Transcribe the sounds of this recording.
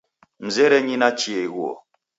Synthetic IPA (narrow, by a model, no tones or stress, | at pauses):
m̩zɛɾɛɲinat͡ʃieɣwɔ̰